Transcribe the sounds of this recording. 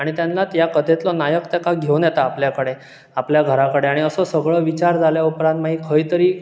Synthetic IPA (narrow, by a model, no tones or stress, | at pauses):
aɽ̃it̪janlat̪jakəd̪ʱet̪lɔnajəkt̪ekaɡʱeunjɛt̪aːpljakəɽe | apljaɡʱəɾakəɽeaɽ̃iəsəsəɡɭəʋit͡ɕaɾd͡zʱaljaupɾãnt̪maɦiːkʰəjt̪əɾiː